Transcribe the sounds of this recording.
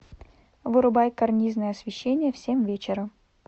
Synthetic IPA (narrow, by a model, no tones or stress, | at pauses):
vɨɾʊbajkɐrnʲiznəjəɐsvʲɪɕːenʲɪjəfsʲemvʲet͡ɕɪɾəm